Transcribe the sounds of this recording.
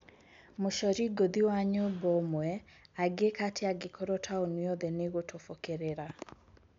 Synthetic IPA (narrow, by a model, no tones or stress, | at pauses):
moʃɔɾiɡoðiwaɲobɔmwɛaɡekatʰeaɡekʰoɾotʰaonwɔðɛneɣotʰofokeɾeɾa